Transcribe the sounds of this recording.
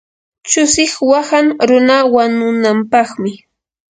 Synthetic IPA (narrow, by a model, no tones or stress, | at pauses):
t͡ʃʊsɪχwahaŋɾʊnawanʊnampɑχmɪ